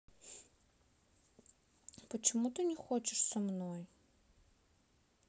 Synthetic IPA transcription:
pət͡ɕɪmut̪ɨnʲɪxot͡ɕɪʂsɐmnoj

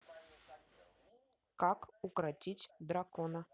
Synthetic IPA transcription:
kakʊkɾatʲitʲd̪ɾakɔnə

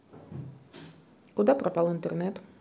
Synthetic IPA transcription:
ɡud̪apɾɔpalˠɔint̪ʼɛɾnɛt̪

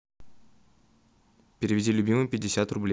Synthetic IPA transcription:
pʲɪɾʲɪvʲɪdʲilʲʊbʲimɨmpʲɪdʲːɪsʲat̪rʊblʲe

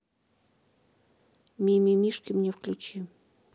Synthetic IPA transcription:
mʲimʲimʲiʃkʲimnʲefklʲut͡ɕi

